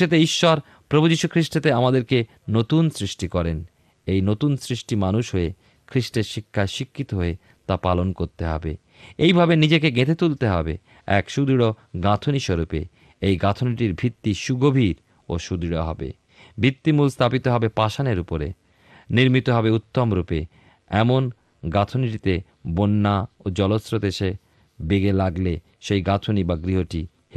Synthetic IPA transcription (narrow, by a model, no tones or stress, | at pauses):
et̪̬eiʃːɔɾ | pɾobʱud͡ʑiʃukʰɾiʃʈet̪eamad̪eɾke | not̪unsɾiʃʈikɔɾen | ejnot̪unsɾiʃʈimanuʃɦoe | kʰɾiʃʈeɾʃikʰːaʃikʰːit̪oɦoe | t̪apalonkoɾt̪eɦɔ̰bḛ | ejbʱabenid͡ʑekeɡet̪ʰet̪ult̪eɦɔ̰bḛ | ɛ̰kʃud̪iɽo | ɡat̪ʰoniʃoɾupḛ | ejɡat̪ʰoniʈiɾbʱit̪ːiʃuɡobʱiɾ | o̰ʃud̪iɽoɦɔ̰bḛ | bʱit̪ːimulst̪ʰapit̪oɦɔbepaʃaneɾupoɾḛ | niɾmit̪oɦɔbeut̪ːomɾupe | ɛmon | ɡat̪ʰoniʈit̪e | bonːaod͡ʑɔlosɾod̪eʃe | beɡelaɡle | ʃejɡat̪ʰonibaɡɾiɦoʈi | h